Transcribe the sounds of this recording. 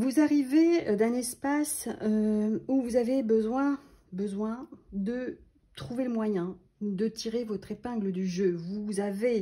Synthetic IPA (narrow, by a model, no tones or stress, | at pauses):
vuzaʁived̪ɛ̃nɛspasøuvuzavebəzwɛ̃ | bəzwɛ̃d̪ə | t̪χuveləmwajɛ̃ | d̪ət̪iʁevɔt̪χepɛ̃ɡləd̪yʒøvuzave